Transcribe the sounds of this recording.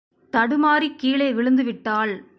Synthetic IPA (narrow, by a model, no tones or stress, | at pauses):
t̪ɐɽɯmaːɾikːiːɭeːʋɪɭɯnd̪ɯʋɪʈːaːɭ